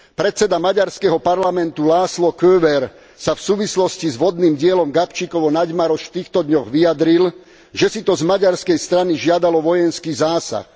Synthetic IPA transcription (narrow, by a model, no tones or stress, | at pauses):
pɾɛt͡sɛd̪amaɟaɾskɛɦɔpaɾlamɛnt̪ulaːslɔkøːʋɛɾ | safsuːʋislɔscizʋɔd̪niːmɟɪɛlɔmɡapt͡ʃikɔʋɔnaɟmaɾɔʃft̪iːxt̪ɔd̪ɲɔɣʋijad̪ɾil | ʒɛsit̪ɔzmaɟaɾskɛjst̪ɾaniʒɪad̪alɔʋɔjɛnskiːzaːsa̰x